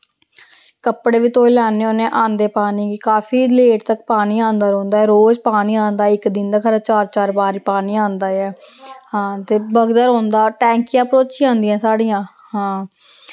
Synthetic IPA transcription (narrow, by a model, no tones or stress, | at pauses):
kəpɽeːʋiːt̪oːlaːneonẽːʔãːnd̪eːpaːniːkɪkaːpʰiːleːʈt̪əkpaːniːãːnd̪aːɾɔ̃ːnd̪aːɛːɾoːd͡ʒpaːniːãːnd̪aːɪkd̪ɪ̃nd̪aːkʰəɾat͡ʃaːɾt͡ʃaːɾbaːɾiːpaːniːãːnd̪aːɛːhãːt̪eːbəɡd̪əɾɦɔ̃ːnd̪aːʈɛ̃ːŋkɪjãːpɾoːt͡ʃiːãːnd̪ĩãːsaːɽiːãː | hãː